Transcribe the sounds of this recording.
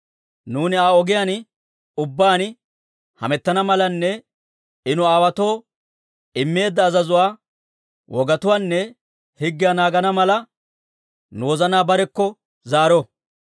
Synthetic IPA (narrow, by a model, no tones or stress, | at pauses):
nuːnɪaːɔɡɪjan | ʊbːaːn | hɐ̰mɛt̪ːɐnɐmɐlɐnːɛ | ɪnʊaːwɐt̪o̞ː | ɪmːe̞ːd̪ːɐːzɐzʊwaː | wʔɔɡɐt̪ʊwaːnːɛ | hɪɡːɪjanaːɡɐnɐmɐlɐ | noːzɐnaːbɐɾɛkːɔ | zaːɾɔ